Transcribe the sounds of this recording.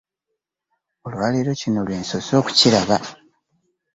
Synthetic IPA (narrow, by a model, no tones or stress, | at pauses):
olwaliɾo̞cino̞lwe̞ːnso̞so̞ːku̥ciɾaβa